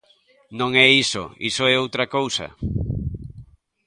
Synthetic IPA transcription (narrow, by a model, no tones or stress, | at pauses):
nõŋɛiso̰ḭsoɛowt̪ɾɐkowsɐ̰